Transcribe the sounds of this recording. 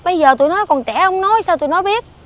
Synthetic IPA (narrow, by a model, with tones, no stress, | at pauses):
ɓə˧jzəː˨˩t̪u˧˨jnɔ˨˦jkɔ˨˩nt͡ɕɛ̰˧˩hə˧wŋ͡mnɔ˨˦jsaː˧wt̪u˨˧˩nɔ˨˦ɓi˦˥ət̚